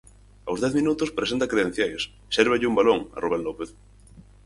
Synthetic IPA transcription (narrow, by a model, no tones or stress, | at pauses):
awzðɛθmĩnut̪ʊspɾesent̪ɐkɾeðẽn̟θjajs | sɛɾβeʎɪumbaloŋɐ̰roβelnopeθ